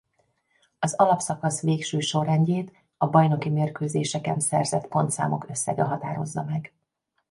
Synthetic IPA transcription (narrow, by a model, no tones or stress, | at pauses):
ɒzɒlɒpsɒkɒsʋeːkʃøːʃo̞rːɛɲɟeːt̪ | ɒbɒjno̞kimeːrkøːzeːʃɛkɛnsɛrzɛt̪po̞nt̪sa̰ːmo̞̰kø̞sːɛ̰ɡɛɦɒt̪aːɾo̞̰zːɒmɛɡ